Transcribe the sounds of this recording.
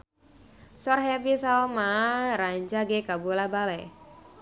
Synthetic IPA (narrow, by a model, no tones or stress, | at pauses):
sɔrɦɛpisaɔmaɾaɲd͡ʒaɡekabulabalɛ